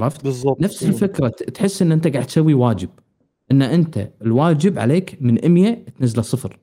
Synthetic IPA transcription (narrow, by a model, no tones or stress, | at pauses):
ɑft̪zːɑnafsɪlfɪkɾˤɑt̪ħɪsːʔɪnːʔɪnt̪aɡaʕd̪t̪sawːiwaːd͡ʒɪb̚ | ʔɪnːaʔɪnt̪a̰ɪlwaːd͡ʒɪbʕa̰leːkmɪnʔɪmjat̪nazːalasˤɨfɾ